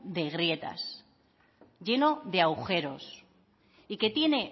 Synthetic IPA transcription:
d̪e̞ɣɾje̞t̪a̰s | ɟ͡ʝe̞no̞ðe̞awxe̞ɾo̞s | ike̞t̪je̞ne̞

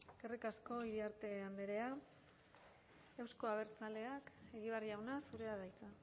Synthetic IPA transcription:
kerikasko̞iɾiaɾt̪e̞and̪eɾe̞a | ewsko̞aβ̞e̞ɾt͡sale̞ake̞ɣiβ̞ariawnasuɾe̞að̞ajk̪a

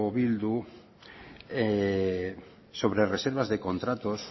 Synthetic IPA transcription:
oβild̪u | e | soβɾereseɾβazðekont̪ɾat̪os

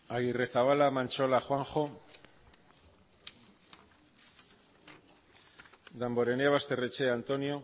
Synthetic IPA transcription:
aɣire̞θaβalamant͡ʃo̞laxwaŋxo | d̪ambo̞ɾe̞neaβast̪e̞ret͡ʃe̞ant̪o̞njo̞

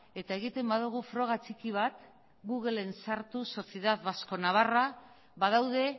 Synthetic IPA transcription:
e̞t̪ae̞ɣ̞it̪e̞mbaðuɣ̞ufɾo̞ɣ̞at͡sikiβ̞at̪ | ɡuɣe̞le̞nsaɾt̪uso̞θje̞ðaðβasko̞naβ̞ara | βað̞awð̞e̞

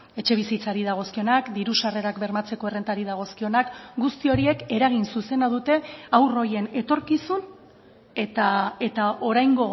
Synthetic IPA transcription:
e̞t͡ʃe̞β̞isit͡saɾið̞aɣ̞o̞skio̞nakd̪iɾusare̞ɾakbe̞ɾmat͡se̞ko̞e̞re̞nt̪aɾiðaɣ̞o̞skio̞nakɡust̪io̞ɾie̞ke̞ɾaɣ̞insuse̞naðut̪e̞awro̞je̞ne̞t̪o̞ɾkisun | et̪ae̞t̪ao̞ɾajŋɡo̞

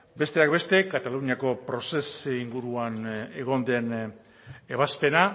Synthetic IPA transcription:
be̞st̪e̞akbe̞st̪e̞kat̪aluniako̞pɾo̞se̞siŋɡuɾuane̞ɣ̞o̞nd̪e̞n | e̞β̞aspe̞na

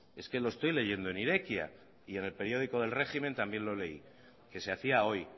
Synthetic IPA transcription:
e̞ske̞lo̞est̪o̞jle̞ʝe̞nd̪oe̞niɾekja̰ | ie̞ne̞lpe̞ɾjo̞ðiko̞ðe̞lre̞ximẽ̞nt̪ambje̞nlo̞le̞ḭ | ke̞se̞aθiao̞j

